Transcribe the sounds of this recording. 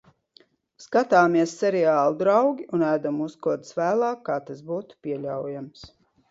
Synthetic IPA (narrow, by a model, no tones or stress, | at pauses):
skat̪aːmiɛsːɛɾɛaːlˠud̪ɾawɡʲiunæːd̪amuskuɔt̪svæːlˠɑːkːaːt̪asbuːt̪u̥pʲiɛlʲawjams